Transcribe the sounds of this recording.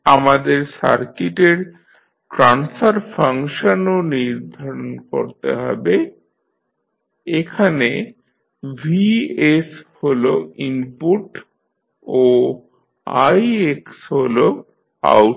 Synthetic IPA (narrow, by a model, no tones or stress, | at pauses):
amad̪eɾsa̰ɾkiʈeɾ | ʈɾansaɾfʰaŋʃononiɾd̪ʱaɾonko̰ɾt̪ḛɦɔ̰be | ekʰane | vʱiesholoimpuʈ | o | a̰jeksɦolo | a̰w